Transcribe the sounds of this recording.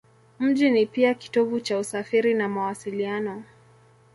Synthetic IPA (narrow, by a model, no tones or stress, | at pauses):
m̩ʄinipiaki̥tɔvut͡ʃausafiɾinamawasilianɔ